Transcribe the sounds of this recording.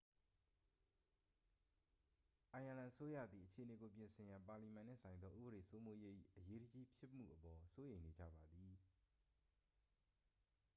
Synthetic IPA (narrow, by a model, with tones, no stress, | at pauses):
ʔã˨jʔã˨lã˨ʔəso˦ja̰˦˨d̪i˨ʔət͡ɕʰe˨əne˨ɡo˨p̬jɪ̃˨nsʰɪ̃˨jã˨mpa˨li˨mã˨n̥ɪ̰ɛ̰̃˦˨sã˨ɪ̃nd̪ðɔ˦ʔṵ˦bəɾe˨so˦mo˦je˦ʔḭ˦˨ʔəje˦dəd͡ʑi˦pʰjɪ˦m̥ṵ˦˨ʔəpɔ˨so˦jẽ˨ɪ̃ne˨d͡ʑa̰˦˨ba˨d̪ði˨